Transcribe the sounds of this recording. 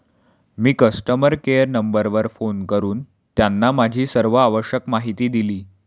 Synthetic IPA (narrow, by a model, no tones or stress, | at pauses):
miːkəsʈəməɾkeəɾnəmbəɾʋəɾfonkəɾuːn | t̪janːamad͡ʑʱiːsəɾʋəaʋəɕjəkmaɦit̪iːd̪iliː